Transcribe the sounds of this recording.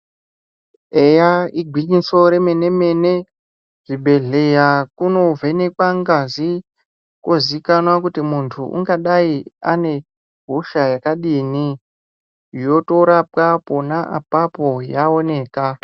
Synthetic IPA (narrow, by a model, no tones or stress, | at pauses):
ejaiɡʱwiɲiso̞ɾe̞me̞ne̞me̞ne | ʐ̥iɓʱe̞ɮe̞jakuno̞ve̞ne̞kwaŋɡazi | kwo̞zikanwakutimuntʰṵʔṵŋɡaɗaiane̞ | ɦuʃajakaɗiːni | jo̞to̞ɾap̚kaponaʔapapo̞jao̞ne̞ːka